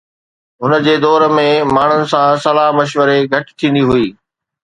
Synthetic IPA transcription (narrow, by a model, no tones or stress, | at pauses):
ɦʊnəd͡ʑeːd̪ɔːɾmẽmaːɳ̤ʊnɪ̆sãsɐlaːɦmɐʃʋəɾeɡʱɐʈɪ̥t̪ʰĩːnd̪iɦʊiː